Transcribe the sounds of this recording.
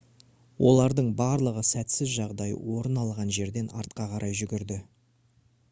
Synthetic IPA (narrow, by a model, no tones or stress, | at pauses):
wʔo̞lˠɑɾd̪əɴbɑɾlˠəʁəsæt̪sɪzʒɑʁd̪ɑjə̰wo̞ɾənɑlˠʁɑnʒe̞ɾd̪e̞nɑ̰ɾt̪̚qɑqʰɑɾʔɑjʒʏɡʲɪɾd̪ɪ